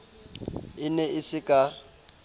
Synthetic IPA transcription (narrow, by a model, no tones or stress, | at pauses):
ɪnɛɪsɪkʼa